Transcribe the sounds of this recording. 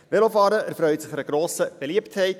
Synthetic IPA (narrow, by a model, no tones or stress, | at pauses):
ʋelofɑːɾəʔæɾfɾœʏtsɪχɛɾəɡ̥ɾoːsəb̥eliəpthɛɪt